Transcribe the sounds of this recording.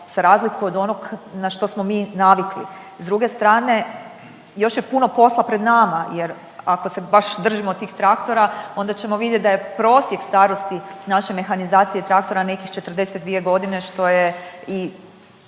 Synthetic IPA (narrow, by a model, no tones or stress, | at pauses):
saɾaːzlikuod̪o̞noɡnaʃt̪osmo̞miːnaʋiklḭ | zd̪ɾuɡe̞st̪ɾaːne̞ | jo̞ʃjepuno̞po̞slˠapɾe̞d̪namaje̞ɾ | ako̞se̞baʃd̪r̩ʒimot̪iːxt̪ɾakt̪o̞ɾao̞nd̪at͡ɕe̞moʋid̪ʲjet̪̚ʲd̪aje̞pɾo̞ːsje̞kst̪aːɾo̞st̪inaʃeme̞xanizaːt̪sijet̪ɾak̚t̪o̞ɾane̞kixt͡ʃet̪rd̪e̞set̪̚d̪ʋije̞ɡo̞d̪ine̞ʃt̪o̞jei